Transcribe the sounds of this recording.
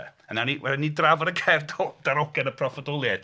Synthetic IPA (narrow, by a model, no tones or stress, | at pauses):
ənaniwɛlnidravɔdəkʰɛrdɔd̥aɾɔɡɛnəpʰrɔfɔdɔlˠjɛd̥